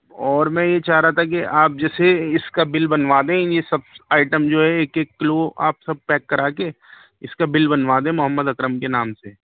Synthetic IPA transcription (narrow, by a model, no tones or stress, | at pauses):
ɔːɾmɛ̃jet͡ʃaːɦɾaat̪ʰak̬iaːp̚d͡ʒɛːseɪskabɪlbɐnʋaːd̪ẽjesɐb̚aːɪʈəmd͡ʒoːɦɛeːkeːkːloːa̰ːpsɐb̚pɛːkːɐɾaːke | ɪskabɪlbɐnʋaːd̪ẽmʊɦəmːəd̪ɐkɾəmkenaːmseː